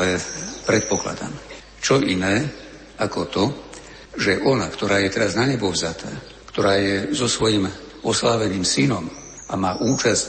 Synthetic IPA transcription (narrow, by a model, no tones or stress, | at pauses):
ɛpɾɛt̪̚pɔkla̰d̪a̰m | t͡ʃɔʔinɛː | akɔt̪ɔ | ʒɛʔɔnakt̪ɔɾaːjɛt̪ɛɾaznaɲɛbɔvzat̪ʰaː | kt̪ɔɾaːjɛzɔsʋɔjim | ɔslaːʋɛniːmsinɔm | amaːʔuːt͡ʃasc